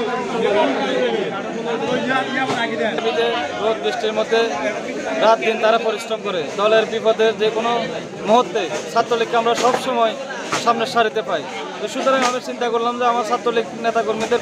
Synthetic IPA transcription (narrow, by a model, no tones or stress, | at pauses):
abid̪eɾot̪̚biʃʈiɾmod̪ʱːe | ɾat̪̚d̪int̪aɾapɔɾiʃɾomkɔɾed̪ɔleɾbipɔd̪eɾd͡ʑekono | mɔɦot̪ːesat̪ːɾolikːamɾaʃɔbʃɔmɔe | ʃamneʃaɾit̪epaj | t̪oʃut̪oɾaŋamiɾt͡ɕint̪akoɾlamd͡ʑeamaɾsat̪ːɾoliknet̪akoɾmid̪eɾ